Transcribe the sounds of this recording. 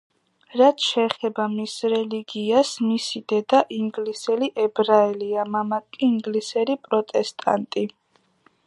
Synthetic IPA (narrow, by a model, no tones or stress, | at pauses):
ɾat̪ʰʃɛːχɛbamisɾɛliɡiasmisid̪̥ɛd̪aʔiŋɡlisɛliʔɛbɾaɛliamamakʼiːŋɡlisɛɾipʼɾɔt̪ʼɛst̪ʼa̰nt̪ʼi